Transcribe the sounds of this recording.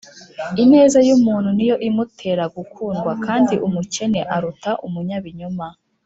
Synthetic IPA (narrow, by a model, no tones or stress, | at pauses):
ine̞ːzajumuːn̥hunijo̞ʔimutʰe̞ːɾaɡukʰuːnɡwakaːndiʔumuce̞ne̞ʔaɾutaʔumuɲaβiɲuma